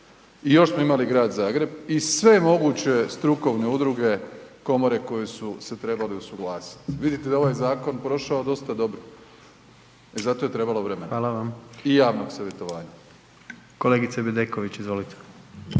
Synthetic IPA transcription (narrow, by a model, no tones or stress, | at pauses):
ijo̞ʃsmo̞imaliɡɾaːd̪zaːɡɾe̞bisʋe̞emo̞ɡuːt͡ɕe̞st̪ɾuko̞ʋne̞ud̪ɾuɡe̞ko̞mo̞ɾe̞ko̞jesuse̞t̪ɾe̞baleusuɡlˠaːsi̥t̪ʋid̪it̪ed̪ao̞ʋaːjzaːko̞npɾo̞ʃaod̪o̞st̪ad̪o̞bɾo | e̞zat̪o̞je̞t̪ɾe̞balo̞ʋɾe̞menaaːlaʋamijaːʋnoɡsaʋje̞t̪o̞ʋaːɲa | koleɡit̪sebed̪ekoʋit͡ɕizʋolit̪e̥